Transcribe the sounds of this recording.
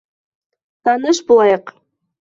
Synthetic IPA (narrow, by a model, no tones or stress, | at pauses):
t̪ɑnəʃbulˠɑjɤq